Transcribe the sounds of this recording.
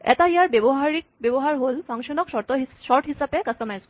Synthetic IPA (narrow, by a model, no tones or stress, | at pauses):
ɛ̰taijaɹbebɔɦaɹik̚bebɔɦaɹɦolpʰaŋʃɔnɔkʃɔɹtɔiʃɔɹɦisapɛkastɔmas